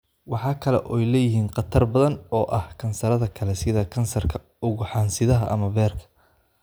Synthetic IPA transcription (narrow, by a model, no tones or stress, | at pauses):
wɑħɑːkʰɐlɛ̰ʔɔjlɛjɪɦiːnqɑt̪ʰɐrbɐðɐnɔːʔɐhkʰɐnsɐɾɐðɐkʰɐlɛsɪðɐkʰɐnsɐrkʰɐ̥ | ʊɣʊħɑːnsɪðɐɦɐ̰ʔɐmɐbɛːrkʰɐ̥